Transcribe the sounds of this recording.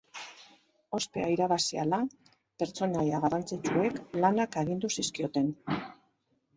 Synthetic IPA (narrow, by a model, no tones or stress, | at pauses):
o̞spe̞̰aiɾaβasiala | pe̞ɾt͡so̞najaɣarant͡sit͡ʃue̞klanakaɣind̪usiskio̞t̪e̞n